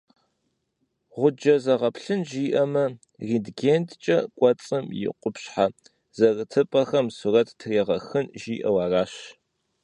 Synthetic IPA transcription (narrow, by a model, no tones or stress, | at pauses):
ʁʷʊd͡ʒɐzɐʁɐpʰɬɨnʒiːʔɐmɐ | riːdɡeːntʰt͡ʃʼɐkʷʼɔt͡sʼɨmjɪ̰qʷʊpɕħa | z̥ɐrɨtʰɨpʼɐxɐmsurɐtʰtʰɨreːʁɐxɨnʒiːʔɐwaːraːɕ